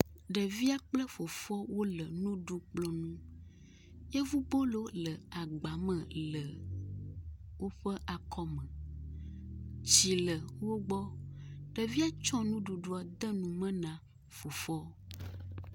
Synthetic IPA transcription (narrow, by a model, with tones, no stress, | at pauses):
ɖə˨vi˦a˨k͡plə˦fo˨fɔ˦wo˦lə˨nũ˦ɖu˦k͡plɔ̃˦nũ˦ | je˦vu˦bo˦lo˦lə˨a˨ɡ͡ba˨mɛ̃˨lə˨ | wo˦ɸə˦ʔa˨kʰɔ˦mə̃˨ | t͡ɕi˨lə˨wo˦ɡ͡bɔ˦ɖ̥ə˨vi˦a˦t͡ʃɔ̃˦nũ˦ɖu˨ɖu˦a˨d̪ə˦nũ˨mə̃˦nã˨ | fo˨fɔ˦